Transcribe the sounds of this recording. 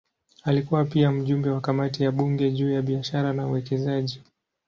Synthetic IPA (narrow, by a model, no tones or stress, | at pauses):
alikuwapiam̩ʄumbɛwakamatijaɓuŋɡɛʄuːjaɓiaʃaɾanauwɛkɛzaʄi